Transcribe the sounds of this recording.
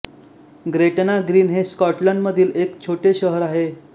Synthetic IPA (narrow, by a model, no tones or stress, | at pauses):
ɡɾeʈnaɡɾiːnɦeskɔʈləɳɖməd̪ʱiːlekt͡ɕʰoʈeɕəɦəɾaɦe